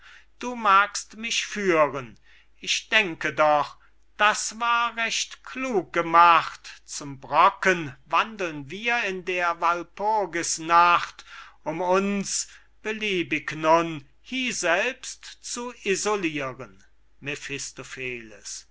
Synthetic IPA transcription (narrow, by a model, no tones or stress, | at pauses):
d̥uːmaːkstmɪʃfyːʁən | ʔɪçd̥ɛŋkədɔχ | d̥asvaːɐʁɛʃtkʰluːk̚ɡ̥əmaχtt͡sʊmbʁɔkənvandl̩nviːɐɪndeːɐvalpʊɐɡəsnaχtʔʊmʊns | b̥əliːbɪknʊn | hiːzɛlpstt͡suʔizoliːʁən | mefɪstofeːlə̰s